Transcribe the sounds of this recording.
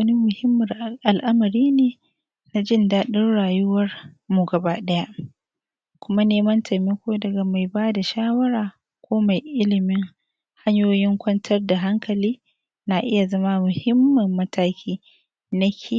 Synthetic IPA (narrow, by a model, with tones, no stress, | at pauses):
wɐ˦ni˦mʊ˨hɪ˦mːɐ˨rʔa˨lʔɐ˦mɐ˨ɾiː˦neː˨ | na˨d͡ʒɪ˦˨ndaː˦ɗɪ˦rɽaː˨jʊ˦wɐ˦rmu˨ɡɐ˨baː˦ɗɐ˦ja˦ʔ | kʷʊ˦ma˦neː˦mɐ˦ntʰɐ˨me˦kʷoː˦dɐ˨ɡa˨ma˨jbaː˦da˨ʃaː˦wɐ˦ɾaː˨ | kʷoː˦ma˨jʔɪ˦lɪ˨mɪ˦ŋ | ha˦ɲjoː˦jɪ˦ŋkʷɐ˦ntʰɐ˦rda˨ɦa˦ŋkʰɐ˨liː˦ | na˨ʔɪ˦ja˨zɐ˦ma˦mʊ˨hɪ˦mːɐ˨mːɐ˦tʰaː˦kʲʰiː˦ | nɐ˦kʲʰe˨